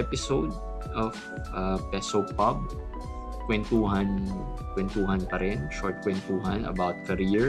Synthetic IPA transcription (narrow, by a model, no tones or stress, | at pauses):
ɛpɪsowd̪̚ | ʔɔv | ʔɐpɛsopɐb̚ | kwɛnt̪uːɦɐn | kwɛnt̪uɦɐnpɐɾɪnʃɔɹt̪̚kwɛnt̪uːɦɐnɐ̰bawt̪̚kɐɾiɹ